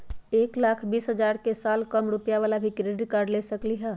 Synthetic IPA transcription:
eːklaːkʰbiːsɦəd͡ʒaɾkesaːlkəmɾupjaʋalabʱikɾeɖiʈ̚kəɾɖlesəkliɦɛ̃

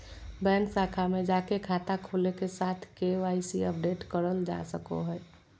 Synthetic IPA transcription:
bɛnsakʰamed͡ʒakekʰat̪akʰolekesat̪ʰkeʋaɪsiəp̚ɖeʈkəɾəld͡ʒa̰səko̰ɦəj

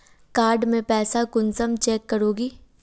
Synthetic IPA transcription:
kaːɾɖmẽpɛːsakʊnsəmt͡ʃɛːkːəɾoːɡiː

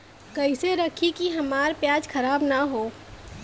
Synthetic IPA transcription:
kɐɪseɾɐkʰikiɦɐmaːɾpjaːd͡ʒkɐɾaːbnaɦoː

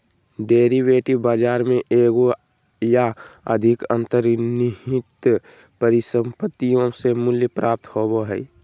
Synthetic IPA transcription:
ɖeːɾiweːʈibaːd͡ʒaːɾmẽʔeːɡo | jaə̰d̪ʱɪkə̰̃nt̪əɾniɦɪt̪ | pəɾɪsə̃mpət̪ːijõsemʊljəpɾʔaːp̚t̪hoboɦɛi

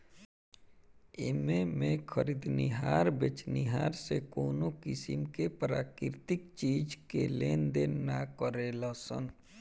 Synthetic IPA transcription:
ememẽkʰəɾid̪nḭɦaːɾbet͡ʃniɦaːɾsekoːnokɪsɪ̰mkepɾaːkɪɾt̪ɪkt͡ʃiːd͡ʒkeleːnd̪enakəɾelasə̰n

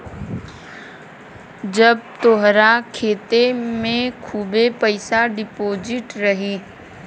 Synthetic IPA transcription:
d͡ʒɐb̚t̪oɦɾakʰeːt̪emẽkʰuːbepəɪsaɖɪpoːd͡ʒɪʈɾɐɦi

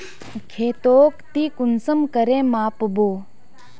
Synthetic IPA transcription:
kʰeːt̪oːkt̪iːkʊnsəmkəɾẽːmaːpboː

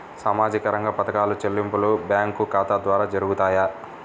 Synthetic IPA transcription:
saːmaːd͡ʒikɐɾɐŋɡɐpɐt̪ɐkaːlut͡ʃelːimpulubjaːŋkukaːt̪aːd̪ʋaːɾaːd͡ʒɐɾuɡut̪aːja

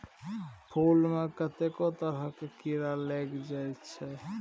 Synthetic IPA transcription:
pʰulmekət̪ekot̪əɾakekiɾaleɡd͡ʒajt͡ʃʰɛ

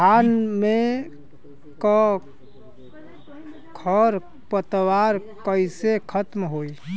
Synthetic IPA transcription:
anme | kɔ | kʰɔɾ | pət̪waɾkəjsekʰət̪mɦoj

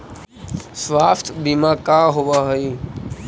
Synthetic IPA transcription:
sʋaːft̪ʰbiːmãkaːɦʊʋaːɦiː

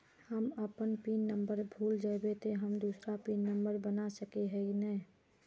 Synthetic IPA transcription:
həməpənpinːəmbəɾbʱuːld͡ʒabet̪eɦəmd̪uːsɾapinːəmbəɾbənasəkeɦɛɡnɛ

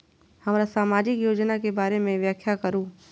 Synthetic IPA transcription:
hɐmɾasaːmaːd͡ʒɪkjoːd͡ʒnakebaːɾemẽʋjaːkʰjakəɾũː

